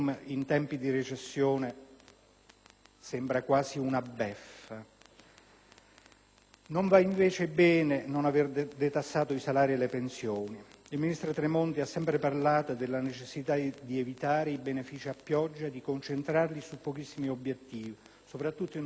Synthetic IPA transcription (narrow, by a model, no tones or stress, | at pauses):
mint̪ɛmpid̪iret͡ʃesːjoːne | sɛmbɾakwaːsiunabːɛfːa | noɱvaiɱveːt͡ʃebɛːnenonaverd̪et̪asːaːt̪oisalaːɾielepensjoːniilminist̪ɾot̪ɾemont̪iasːɛmpɾeparlaːt̪od̪elːanet͡ʃesːit̪ad̪ievit̪aːɾeibenefiːt͡ʃiapːjɔd͡ʒːad̪ikont͡ʃent̪ɾarlisupːok̟isːimiobːjet̪ːiːvi | sopɾat̪ːut̪ːoin